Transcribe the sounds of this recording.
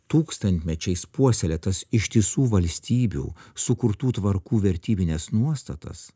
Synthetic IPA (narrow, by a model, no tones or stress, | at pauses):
t̪uːkst̪ɐnʲt̪ʲmʲɛt͡ʃʲɛɪspuɔsʲɛlʲɛt̪ɐsɪʃʲt̪ʲisuːʋɐlʲsʲt̪ʲiːbʲṵːsʊkʊɾt̪uːt̪ʋɐɾkuːʋʲɛɾʲt̪ʲiːbʲɪnʲɛsnuɔst̪ɐt̪ɐ̰s